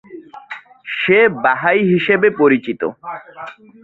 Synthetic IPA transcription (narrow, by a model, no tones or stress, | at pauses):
ʃebaɦajɦiʃebepoɾit͡ɕit̪o̰